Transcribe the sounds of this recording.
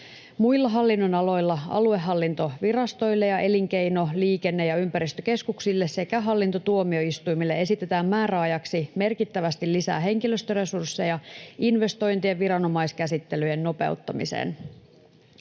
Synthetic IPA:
muilːɑɦɑlːinːo̞nɑlo̞jlːɑɑ̰lue̞ɦːɑlːint̪o̞ʋirɑst̪o̞jlːe̞jɑʔe̞liŋk̟e̞jno̞liːke̞nːe̞jɑympæɾist̪øke̞skuksilːe̞ssekæɦɑlːint̪ot̪uomio̞ist̪ujmilːee̞sit̪e̞t̪æːmmæːɾæɑjɑksime̞rkit̪ːæʋæst̪ilːisæ̰ːɦe̞ŋkiløst̪øre̞sursːejɑinʋe̞st̪o̞jnt̪ieʋiɾɑno̞mɑiskæsit̪ːe̞lyjenːo̞pe̞̰ut̪ːɑmḭsḛːn

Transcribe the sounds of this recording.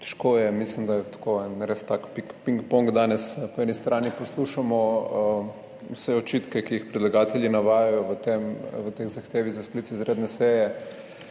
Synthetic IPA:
t̪ɛ̥ʃkoːjɛmislimd̪ajɛt̪ḁkoɛnɾest̪akpikpiŋkpɔŋɡd̪aːnɛspɔɛnist̪ɾʔaːnipɔsluʃamɔ | wsɛɔt͡ʃit̪kɛkijixpɾɛd̪laɡaːt̪ɛlʲjinaʋaːjajɔʋət̪emʋət̪exzɐxt̪eːʋizasklit̪t͡s̪ɛizɾed̪nɛsɛjɛ

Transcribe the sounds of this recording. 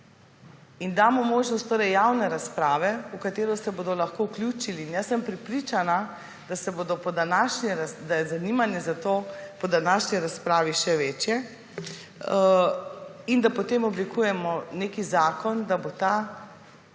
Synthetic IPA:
ind̪aːmɔmoːʒnɔst̪oːɾɛjjawnɛɾaspɾaːʋɛukat̪eːɾɔsɛboːd̪ɔlaxkouklʲut͡ʃiliːnjasɛmpɾɛpɾit͡ʃana | d̪asɛboːd̪ɔpɔd̪anaʃnɛɾasd̪ajɛzanimanjɛzat̪oːpɔd̪anaʃniɾaspɾaːʋiʃɛʋet͡ʃjɛ | ind̪apɔt̪eːmɔblikuːjɛmɔneːkizaːkɔnd̪abot̪a

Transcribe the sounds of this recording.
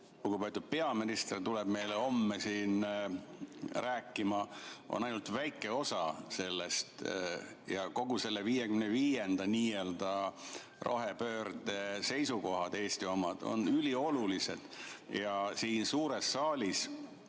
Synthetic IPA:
koɡupeet̪ːud̥̪̚pe̞ɑminist̪rt̪uleb̥me̞jleo̞mːesiːn | ræːkːˑimɑʔo̰nɑjnult̪væjkːˑe̞o̞sɑse̞lːest̪ | jɑko̞ɡ̥use̞lːeviːjekymneviːjend̪̥ɑniːe̞ld̪ɑ | rʔo̰ɦepø̞ːrd̪e̞se̞jsuko̞ɦɑd̪̥e̞ːst̪io̞mɑd̪̥o̰nylʲio̞lulise̞̰d̪̥jɑsiːnsuːɾesːɑːlʲis

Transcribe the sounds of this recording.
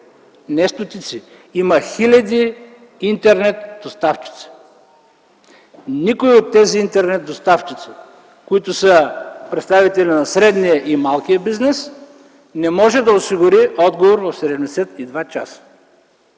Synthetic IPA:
nɛst̪ʊt̪it̪siiməxilʲɐd̪iː | nt̪ɛɾnɛt̪d̪̥ost̪aft͡ʃi̥t̪si̥ | nikoiot̪ːɛziint̪ɛɾnɛt̪̚d̪ost̪aft͡ʃit̪si̥ | koit̪ʊsəpɾɛt̪st̪avit̪ɛlʲinɐsɾɛd̪nijəʔimalˠkijəbiznɛs | nɛmɔʒɛd̪ɐosiɡʊɾiɔd̪ɡovoɾvɐfsɛd̪ɛmd̪ɛsɛt̪id̪vat͡ʃa̰sə̥

